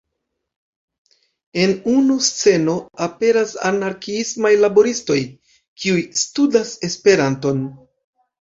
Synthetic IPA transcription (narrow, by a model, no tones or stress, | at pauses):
e̞nunust͡se̞no̞ape̞ɾasa̰naɾkiismajlabo̞ɾisto̞j | kʰiujstudase̞spe̞ɾanto̞n